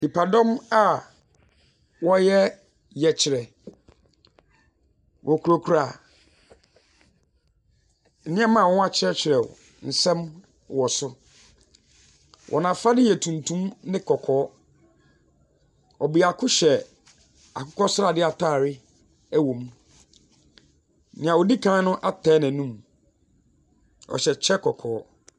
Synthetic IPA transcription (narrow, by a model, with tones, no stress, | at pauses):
di˨pʰa˨dɔ̃˦ma˨ | wɔ˦jɛ˦ | jɛ˨t͡ɕʰɪ˨ɾɛ˨ | wʔɔ˨kʰu˨ɾo˨kʰu˨ɾa˨ | n̩˨nɪ̃˦ɛ˦mã˦˨wɔ̃˦a˦t͡ɕʰɪ˦ɾɛ˦t͡ɕʰɪ˨ɾɛ˨wɔ̰˨ | n̩˨sɛ̃˦m | wɔ˨sʊ˦ | wʔɔ̰˨nã˨fa˦dɪ˦jɛ˨tʰũ˨ntʰũ˦mnɪ̃˦kʰɔ˨kʰɔː˨˦ | ɔ˨bi˨a˨kʰʊ˦ɕɛ˨ | a˨kʰʊ˦kʰɔ˦sʊ˦ɾa˦˨dɪ˦a˨tʰaː˦˨ɾɪ˦ | æ˦wõ˨m˦ | nɪ̃˨ã˨wɔ˨di˦kʰãː˦nʊ̃˦ʔa˦tʰɛː˨˦nɛ̃˨nũ˦m | ɔ̰˨ɕɛ˨t͡ɕʰɛ˦kʰɔ˨kʰɔː˨˦